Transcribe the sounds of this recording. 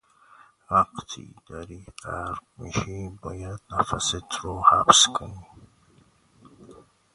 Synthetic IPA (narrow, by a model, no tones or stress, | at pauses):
waqt̪ʰḭd̪̥aɾiqaɾqmḭʃibɔjad̪nafaset̪ʰɾohabskʰəni